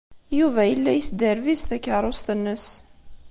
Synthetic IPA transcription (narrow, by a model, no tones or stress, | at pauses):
juvæjəlːæjəsd̪əɾvisθækːəɾˤost̪ənːəs